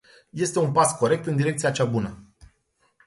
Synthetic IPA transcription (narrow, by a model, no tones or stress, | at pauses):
je̞st̪e̞unpasko̞ɾe̞k̚t̪ɨnd̪iɾe̞k̚t̪siat͡ʃabunə